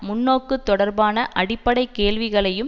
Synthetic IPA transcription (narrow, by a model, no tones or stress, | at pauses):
mʊnːoːkːɯt̪ːɔɽɐɾbaːnɐʔɐɽɪpːɐɽɐɪkːeːɭʋɪɣɐɭɐjɯm